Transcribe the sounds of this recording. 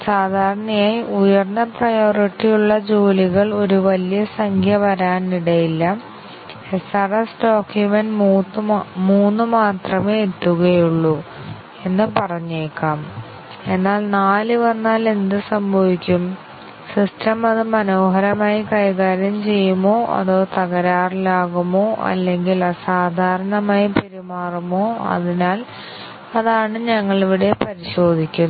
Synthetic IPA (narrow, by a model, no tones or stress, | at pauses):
saːd̪ʱaːɾɐɳɐjaːjiujɐrnːɐprɐjo̞ːriʈːijuɭːɐd͡ʑoːliɣɐɭo̞ɾuʋɐlijɐsɐŋkʰjɐʋɐɾaːniɽɐjilːɐ | esɐrɐsɖoːkjumenɖ | muːnːɨmaːt̪rɐmeːet̪ːuɣɐjuɭːu | e̞nːɨpɐrɐɲːeːkːaːm | e̞nːaːlnaːlɨʋɐnːaːle̞nd̪ɨsɐmbʱɐʋikʲːum | sistɐmɐðɨmɐno̞ːɦɐɾɐmaːjikɐjɣaːɾjɐmt͡ɕe̞jːumːo̞ːʔɐ̰ðo̞ːt̪ɐɣɐɾaːrlaːɣumoːʔɐ̰lːe̞ŋɡilɐsaːd̪ʱaːɾɐɳɐmaːjupiɾimaːrumoːɐ̰ðinaːl | ɐðaːɳɨɲɐŋːɐɭiʋiɽe̞pɐɾiɕo̞ːd̪ʱikʲːu